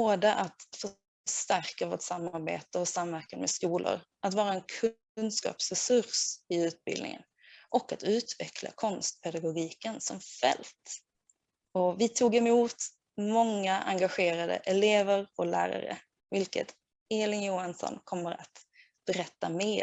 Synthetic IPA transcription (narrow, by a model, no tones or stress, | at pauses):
oːd̪əʔat̪fœ | ʂt̪æɾkavo̰ːʈsamːaɾbḛːt̪əɔsamvæɾkanmɛskuːlʊ̰ɾ | ʔat̪vɑːɾaɛnkʰɵ | nskɑ̰ːpsɾɛsɵɾsɪʉ̟ːt̪̚bɪ̰ld̪nɪ̰ŋə̰n | ʔɔkːat̪ʉ̟ːt̪vɛkʰla̰kʰɔnst̪̚pʰɛd̪aɡʊɡiːkənsɔmfɛ̰lt̪ | ɔvɪt̪ʰuːɡɛmuːt̪ | mɔŋːaʔa̰ŋɡaɧeːɾad̪ə̰ʔɛleːvəɾɔlæ̰ːɾa̰ɾə̰ | vɪlkə̰t̪ | eːlɪŋjuːhansɔ̰nkʰɔmːəɾa̰t̪ | b̥ɛɾɛt̪ːameː